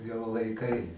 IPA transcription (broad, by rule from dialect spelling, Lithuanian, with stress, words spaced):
jɛʊ lˠɐɪˈkɐɪ